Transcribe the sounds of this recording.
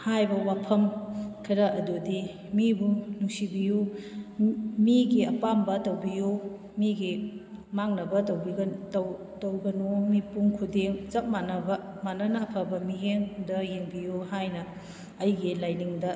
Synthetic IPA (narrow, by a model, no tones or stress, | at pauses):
hajbɐwapʰɐmkʰɐɾɐʔɐdudi | mibunuŋsibiju | miɡiɐpambɐtɐwbiju | miɡimaŋnɐbɐtɐwbiɡtw | tɐwɡɐnumipuŋkʰudeŋt͡ʃɐp̚manɐbɐ | manɐnɐːpʰɐbɐmijeŋdɐjeŋbijuhajnɐː | jɡilajniŋdɐ